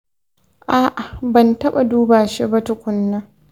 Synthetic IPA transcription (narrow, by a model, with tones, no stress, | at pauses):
ʔaː˦˨ʔa˨bɐ˨ntɐ˦ɓa˨duː˦baː˨ʃe˦bɐ˦tʊ˨kʷʊ˨nːɐ˦ŋ